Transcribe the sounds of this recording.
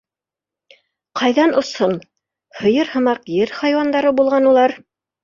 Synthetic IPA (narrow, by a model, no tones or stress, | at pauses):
qʰɑjðɑnŏson | hŏjɤɾhɤ̆mɑqjɘɾχɑjwɑnd̪ɑɾɤbulˠʁɑnulˠɑɾ